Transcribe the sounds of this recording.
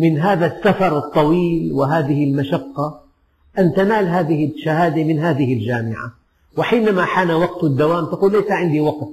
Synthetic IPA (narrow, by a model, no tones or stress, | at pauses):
mɪnɦaːðasːafɑɾˤɨt̪ˤːɑwiːlwɪɦaːðɪhɪlmaʃɑqːɑ | ʔant̪anaːlɦaːðɪhɪʃːahaːd̪amɪnɦaːðɪhɪld͡ʒaːmɪʕa̰ | wɪħiːnamaħaːnawɑɡ̚t̪d̪ːawaːmt̪aquːlːajsaʕɪnd̪iwɑqt̪